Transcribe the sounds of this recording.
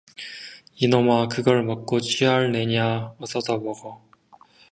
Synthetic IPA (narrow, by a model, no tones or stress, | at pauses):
inʌmakɯɡʌɭmʌk̚k͈ot͡ɕʰiaɭne̞ɲaʌs͈ʌdabʌɡʌ